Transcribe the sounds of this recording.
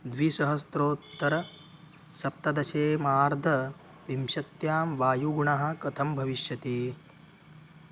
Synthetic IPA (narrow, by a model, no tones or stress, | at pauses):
d̪ʋisɐɦɐst̪ɾoːt̪ːɐɾɐ | sɐp̚t̪ɐd̪ɐʃeːmaːɾd̪ʱɐ | ʋimʃɐt̪jaːmʋaːjuɡuɳaɦɐ̆kɐt̪ʰɐmbʱɐʋiʃjɐt̪iː